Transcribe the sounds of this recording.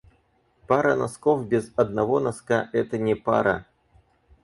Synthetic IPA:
paɾɐnɐskofbʲɪzɐd̪̚nɐvɔnɐskaʔɛt̪ənʲɛpa̰ɾɐ̰

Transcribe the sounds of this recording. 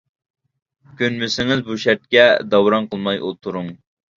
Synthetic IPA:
kʲønmɪsɪŋɪzbuʃɛɾt̪̚kʲɛd̪ɑwɾɑnqʰəlˠmɑjʔolˠt̪ʰuɾʊŋ

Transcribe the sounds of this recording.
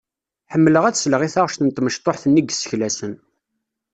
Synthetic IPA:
ħəmːləʁæt͡ssləʁiθaʁəʃt̪ənət̪ːməʃt̪ˤoħθənːiɡsə̥çlæsən

